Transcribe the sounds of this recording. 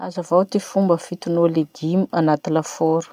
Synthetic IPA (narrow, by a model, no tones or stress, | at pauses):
azavawt̪ifumbəfit̪unoleɡ̪imuanat̪ilafoɾu̥